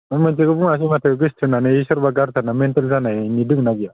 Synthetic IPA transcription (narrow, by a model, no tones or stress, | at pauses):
ɯmɯntʰeɡɯbuŋas̬imatʰaɡɯstʰɯnanɯisɔɾbaɡaɾzʰanamentalzananidɯknaɡija